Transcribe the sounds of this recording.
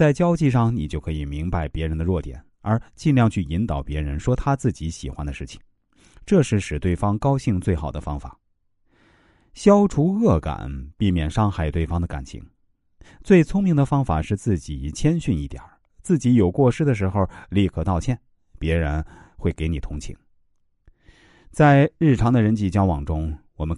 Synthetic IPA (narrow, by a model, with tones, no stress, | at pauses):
t͡sa˥˩ɪt͡ɕjɑ˥ʊt͡ɕi˥˧ʂɑ˥˩ŋni˨˩t͡ɕjo˥˧˩ʊkʰɤ˧˥i˨˩mi˧˥ŋpa˥˩ɪpjɛ˧˥ɻə˧˥nd̪ə˧ɻwɔ˥˩t̪jɛ̰˨˩˦n | ə˞˧˥t͡ɕi˥˧nljɑ˥˧ŋt͡ɕʰy˥˩i˧˥nt̪ɑ˨˩ʊpjɛ˧˥ɻə˧˥nʂwɔ˥t̪ʰa˥t͡sɹ̩˥˩t͡ɕi˧˥ɕi˨˩xwa˧˥nd̪ə˧ʂɻ̩˥˩t͡ɕʰi̥˩ŋ | ʈ͡ʂɤ˥˧ʂɻ̩˥˩ʂɻ̩˨˩t̪we˥˩ɪfɑ˥ŋkɑ˥ʊɕi˥˧ŋt͡swe˥˩ɪxɑ˨˩ʊd̪ə˦fɑ˥ŋfa̰˨˩˦ | ɕjɑ˥ʊʈ͡ʂʰu˧˥ɣɤ˥˩ka̰˨˩˦npi˥˩mjɛ˨˩nʂɑ˥ŋxa˥˩ɪt̪we˥˩ɪfɑ˥ŋd̪ə˧ka̰˨˩nt͡ɕʰḭ˧˥ŋ | t͡swe˥˩ɪt͡sʰʊ˥ŋmi˧˥ŋd̪ə˨fɑ˥ŋfa̰˨˩ʂɻ̩˥˧t͡sɹ̩˥˩t͡ɕi˨˩t͡ɕʰjɛ˥nɕy˥˧ni˥˩t̪jɐ̰˨˩˦ | t͡sɹ̩˥˩t͡ɕi˧˥jo˨˩ʊkwɔ˥˩ʂɻ̩˥d̪ə˨ʂ̬ɻ̩˧˥xo˧ʊli˥˩kʰɤ˥˩t̪ɑ˥˧ʊt͡ɕʰjɛ˥˩n | pjɛ˧˥ɻə˧˥nxwe˥˩ɪke˧˥ɪni˨˩t̪ʰʊ˧˥ŋt͡ɕʰḭ˧˥ŋ | t͡sa˥˧ɪɻɻ̩˥˩ʈ͡ʂʰɑ˧˥ŋd̪ə˧ɻə˧˥nt͡ɕi˧˩t͡ɕjɑ˥ʊwɑ˨˩ŋʈ͡ʂʊ˥ŋwɔ˨˩mə˦